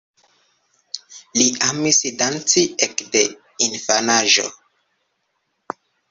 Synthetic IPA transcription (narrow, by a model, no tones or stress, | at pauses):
liʔamisidant͡siekde | infanaʒo̰